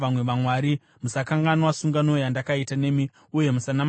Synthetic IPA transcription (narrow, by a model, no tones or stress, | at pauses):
amwe̞ʋamwaːɾi | musakaŋɡanowasuŋɡanojandakaitane̞mi | uje̞musanam